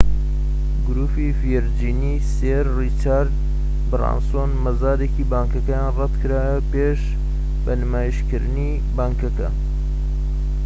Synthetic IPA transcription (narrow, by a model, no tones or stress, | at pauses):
ɡʊɾuːfifijɛɾd͡ʒiːni | seɾrit͡ʃaɾd̪ | bɨra̰nsonmɐzaːd̪ekiːbaːŋkɐkɐjaːnrɛt̪kʰɨɾaːjɐpeʃ | bɐnɨmaːjiʃkɨɾɨni | baːŋkɐkɐ̰